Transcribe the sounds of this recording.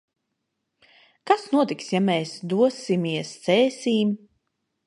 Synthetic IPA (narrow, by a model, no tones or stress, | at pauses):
kasnuɔt̪iksjamɛːsd̪uɔsimiɛst̪sɛːsʲiːm